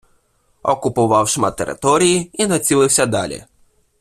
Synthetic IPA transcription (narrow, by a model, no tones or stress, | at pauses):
ɔ̰kʊpʊʋɑwʃmɑt̪ːeɾɪ̰t̪ɔɾʲijiinɐt͡sʲilˠɪwsʲɐd̪ɑlʲḭ